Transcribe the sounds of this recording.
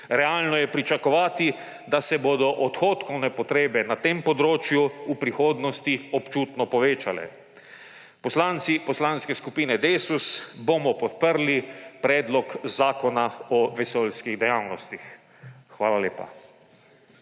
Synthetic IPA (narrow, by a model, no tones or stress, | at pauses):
ɾɛaːlnɔjɛpɾit͡ʃakɔʋaːt̪i | d̪asɛbod̪ɔʔɔt̪xoːt̪kɔwnɛpɔt̪ɾeːbɛnat̪eːmpɔd̪ɾoːt͡ʃjuupɾixoːd̪nɔst̪iɔpt͡ʃuːt̪nɔpɔʋeːt͡ʃalɛ̰ | pɔslaːnt̪sipɔslaːnskɛskupiːnɛd̪esusbomɔpɔt̪̚pəɾlipɾɛːd̪lɔkzaːkɔnaɔʋɛsolskiɣd̪ɛjawnɔst̪ixː | ʋaːlaljeːpa̰